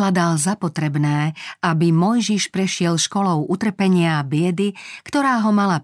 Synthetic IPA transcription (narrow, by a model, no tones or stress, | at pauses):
lad̪alzapɔt̪ɾɛbnɛːabimɔjʒiʃpɾɛʃɪɛlʃkɔlɔʊʔut̪r̩pɛɲɪabɪɛd̪ikt̪ɔɾaːɦɔmala